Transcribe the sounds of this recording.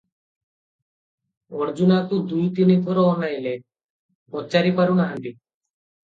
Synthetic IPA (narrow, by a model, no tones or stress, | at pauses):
ɔɾd͡ʒunat̪ud̪ujt̪inid̪ʱɔɾɔːnajle | pɔt͡ʃaɾipaɾunaɦand̪i